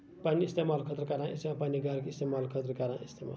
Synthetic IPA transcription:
paniːst̪emalkʰʌt̪rəkaɾãist̪emapaniɡaɾkist̪emalkʰʌt̪rʌkaɾãist̪ʰema̰l

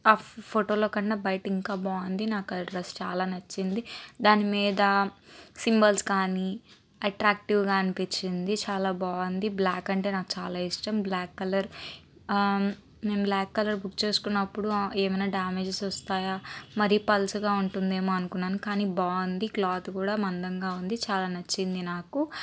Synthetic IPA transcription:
aːpʰoʈo̞ːloːkɐɳːaːbɐjʈiŋkaːbaːɐnd̪inaːkɐɾɐst͡ʃaːlaːnɐt͡ʃːind̪id̪aːnimiːd̪ɐsimbɐlskaːni | ɐʈɾaːk̚ʈiʋɡaːɐnipit͡ʃːind̪it͡ʃaːlaːbaːɐnd̪iblaːkːɐɳʈe̞ːnaːkut͡ʃaːlaːiʂʈɐmblaːkːɐlɐɾ | me̞ːmblaːkːɐlɐɾbukt͡ʃe̞ːsu̥kunːɐpːuɽueːmɐjnaːɖaːmeːd͡ʒesɔst̪aːjaːmɐɾipɐlsuɡaːuɳʈund̪e̞ːmoːɐnukunːaːnukaːniːbaːɐnd̪iklaːt̪kuːɽaːmɐnd̪ɐŋɡaːund̪it͡ʃaːlaːnɐt͡ʃːind̪inaːku

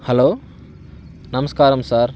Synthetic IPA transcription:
hɛloː | nɐmɐskaːɾɐmsaːɾ

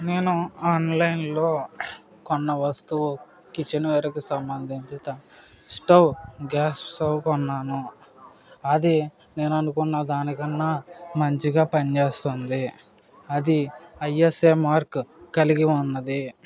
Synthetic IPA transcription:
ne̞ːnuaːnlɐjnlo̞ː | kɔnːɐʋɐst̪uʋ | kit͡ʃenuʋɛːɾɐkisɐmbɐnd̪iɲt͡ʃit̪ɐ | sʈɐwɡaːsʈsowkɔnːaːnu | ɐd̪i | ne̞ːnɐnukunːad̪aːnikɐnːaːmɐɲt͡ʃiɡaːpɐnt͡ʃe̞ːst̪und̪i | ɐd̪iɐjeseːmaːɾkːɐliɡiunːɐd̪i

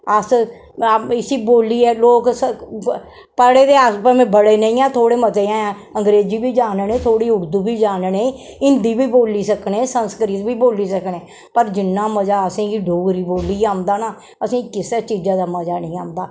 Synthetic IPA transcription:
əs | ɪsiːboːliːɛːloːks | pəɽeːd̪eːaːspəmẽbəɽeːnəĩːãːt̪ʰoːɽeːməd͡ʒeːãːãː | əŋɡɾeːd͡ʒiːbiːd͡ʒaːnnẽːt̪ʰoːɽiːʊɾd̪uːbiːd͡ʒaːnnẽːɪnd̪iːbiːboːliːsəkɳẽːsənskɾiːt̪bʱiːboːliːsəkneː | pəɾd͡ʒɪnːãːməd͡ʒaːəsĩːɡiːɖʱoːɡɾiːboːliːãːnd̪aːnaː | əsĩːkɪst͡ʃiːd͡ʒãːd̪aːməd͡ʒaːnə̃ːãːnd̪aː

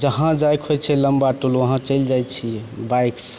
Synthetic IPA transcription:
d͡ʒəɦãd͡ʒajkɦojt͡ʃʰɛləmbaʈuləɦãt͡ʃəjld͡ʒajt͡ʃʰi | bajks

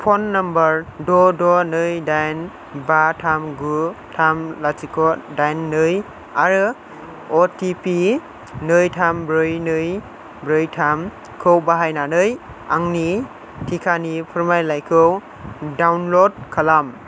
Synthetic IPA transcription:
pʰonːɐmbəɾdɔdɔnɯjdajn | batʰamɡutʰamlasikʰɔdajnːɯj | aɾɯ | otipi | nɯjtʰambɾɯjnɯj | bɾɯjtʰam | kʰɯwbaɦajnanɯj | aŋni | tʰikʰanipʰuɾmajlajkʰɯw | dawnlod̚kʰalam

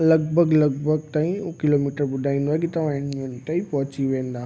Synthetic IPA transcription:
lɐɡbʱəɡlɐɡ̚bʱəɡ̚t̪aːĩkɪlomiːʈəɾɓʊd̪ʱaːĩnd̪oːekit̪ɐʋ̤ãɪnmunt̪aipɐɦʊt͡ɕiʋẽːnd̪aː

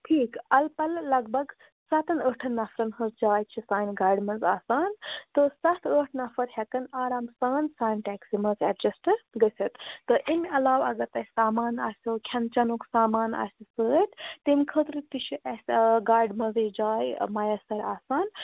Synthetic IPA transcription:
ʈʰiːkɐlpɐlːɐɡbɐɡ | sɐt̪ɐnəːʈʰɐnːɐfɾɐnhəzd͡ʒaːjt͡ʃʰisaːjnɡaːɾɖmɐzaːsaːnt̪əsɐt̪ʰəːʈʰnɐfɐɾhɛkɐnaːɾaːmsaːnsaːjnʈɛːksimɐzɛɖd͡ʒɐsʈɨɾɡəsʰʲɐt̪ːəʔimɐlaːwɐɡɐɾt̪ɐsaːmaːna̰ːsʲukʰɐnt͡ʃɐnuksaːmaːna̰ːsʲisəːt̪t̪imkʰət̪ɾit̪it͡ʃʰiʔɛsʲɡaːɖmɐzɐd͡ʒaːjmɐjɐsɐɾaːsaːn

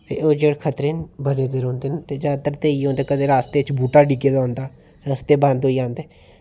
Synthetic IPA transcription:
t̪ḛːʔoːd͡ʒeːɽkʰət̪ɾeːnbəneːzeɾõːnd̪eːnt̪eːd͡ʒaːt̪əɾt̪eːiõːnd̪eːkəd̪eːɾaːst̪eːt͡ʃbʱuːʈaːɖiːkeːd̪aɦõːnd̪aː | st̪eːbãːnd̪ɦoːiãːnd̪eː

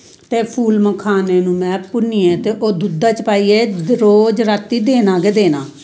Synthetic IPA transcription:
t̪eːpʰuːlməkʰaːneːnũːmɛ̃ːpʊniːɛ̃ːt̪eːʔoːd̪ud̪ːaːt͡ʃpaːiːeːɾoːd͡ʒɾat̪ːiːd̪eːnãːɡeːd̪eːnãː

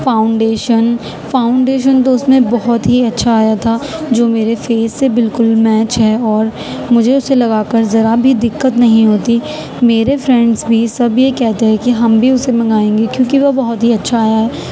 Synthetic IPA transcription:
faːʊ̃ɳɖeːʃən | faːʊ̃ɳɖeːʃənt̪̬oʊsmẽbɔɦɔt̪ɦiɐtːʃʰaaːjat̪ʰad͡ʒoːmeːɾefeːzːebɪlkʊlmɛːt͡ʃɦɛːɔːɾ | mʊd͡ʒʱeʊselɐɡaːkɐɾzɐɾabʱid̪ɪkːət̪nɐɦĩɦoːt̪i | meːɾefɾɛ̃ɳɖzbʱisɐbjekɛɦt̪eɦɛ̃kiɦɐmbʱiʊsemɐ̃ŋɡaːẽːŋɡekjõːkiʋɐbɐɦɔt̪ɦiɐtːʃʰaːjaɦɛː

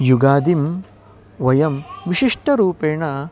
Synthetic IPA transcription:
juɡaːd̪im | ʋɐjɐmʋiʃiʂʈɐɾuːpeːɳɐ

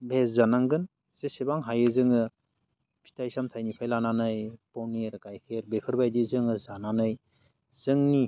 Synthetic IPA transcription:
bʱeszanaŋɡɯn | z̥esebaŋɦajɯzɯŋɯ | pʰi̥tʰajsamtʰajnipʰajlananɯjpowniɾakajkʰeɾbekʰɯɾbajdizɯŋɯzananɯj | zɯŋni

